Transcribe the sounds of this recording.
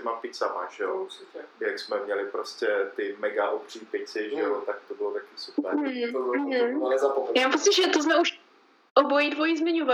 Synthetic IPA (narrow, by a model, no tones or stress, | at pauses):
ɛmapɪcsama̰ʒ̥ɛoɪɛjaksmɛmɲɛlɪpɾoscʲɛt̪ɪmɛɡaʔobr̥ɪɲipɪt͡sɪʒɛot̪ak̚t̪obɪlot̪akisupɛɾoanɛzapomɛjamampot͡ssɪʒɛt̪ozmɛuʃ | ʔobojidvojizmɪɲova